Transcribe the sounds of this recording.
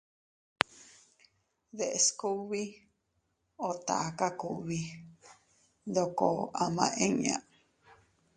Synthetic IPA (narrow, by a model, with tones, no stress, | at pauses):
ðe˨ʔesku˦βi˦ | o˨t̪a̰˨aka˦ku˨βi˦ | d̪o˧ko˨a˨mã˨ʔẽ˦ɲã̰˧